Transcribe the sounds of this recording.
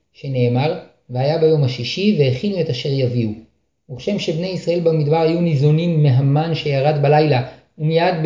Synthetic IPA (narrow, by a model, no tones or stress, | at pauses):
ʃe̞ne̞ːmaʁ | veajabajo̞maʃiʃiveeχinue̞taʃe̞ʁjaviu | muχʃe̞mʃe̞bnejisʁaʔe̞lbamidbaʁhajunizonimːeɦamanʃe̞jaʁadbalajla | umijadb